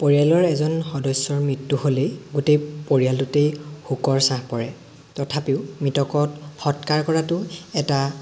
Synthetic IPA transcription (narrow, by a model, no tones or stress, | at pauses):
poɹijalɔɹɛzɔnxɔdɔjsːɔɹmɹitːuholeɡutejpoɹijaltutejhukɔɹsãhpɔɹɛ | tɔtʰapiʊmitɔkɔtxɔtkaɹkɔɹatʊɛta